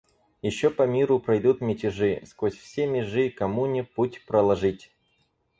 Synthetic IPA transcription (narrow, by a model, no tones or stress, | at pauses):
jɪɕːopɐmʲiɾʊpɾɐjd̪ut̪mʲɪtʲɪʐɨskosʲfsʲemʲɪʐɨkɐmunʲɪputʲpɾəlˠɐʐɨtʲ